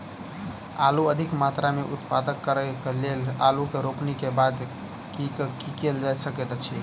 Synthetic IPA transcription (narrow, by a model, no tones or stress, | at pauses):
aluəd̪ʱikmat̪ɾameʔut̪pad̪əkkːəɾəkelelalukeɾopnikebad̪ | kikkikeld͡ʒajsəket̪t͡ʃʰi